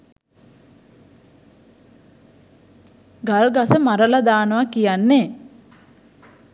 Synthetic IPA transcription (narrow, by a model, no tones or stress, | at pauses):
ɡalɡasəmaɾəlad̪aːnəʋakijanːe